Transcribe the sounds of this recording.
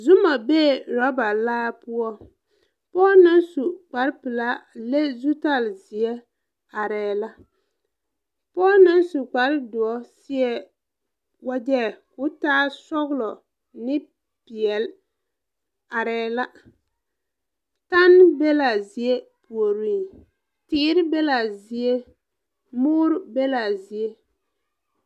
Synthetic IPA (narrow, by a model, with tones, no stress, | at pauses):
zʊ˦ma˨beː˦˨ɾɔ˦ba˨laː˦pʊ˦ɔ˦ | pɔː˦na˦nsu˨k͡pa˨ɾpɨ˨la˦le˦zu˦ta˦˨lzi˨e˦ | a˨ɾɛː˨la˦ | pɔː˦na˦nsu˨k͡pa˨ɾɪ˦dʊ˨ɔ˦sɪ˦ɛ˦ | wa˦dɛ˦˨kʊ˦taː˦sɔ˦ɣlɔ˨ | nɪ˦ | pɪ˨ɛ˨l | a˨ɾɛː˨˦la˦ | ta˦n˦be˦la˨zi˨e˦pu˨o˨ɾi˦˨ | tɪː˦ɾɪ˦be˦la˨zi˨e˦ | mʊː˦ɾbe˦la˨zi˨e˦